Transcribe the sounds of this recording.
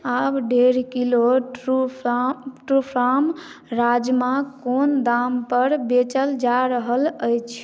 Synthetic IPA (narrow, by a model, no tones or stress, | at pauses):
abɖeɾkilo | ʈupʰɾam | ɾad͡ʒmakond̪ampəɾbet͡ʃəld͡ʒaɾəɦələjt͡ʃʰ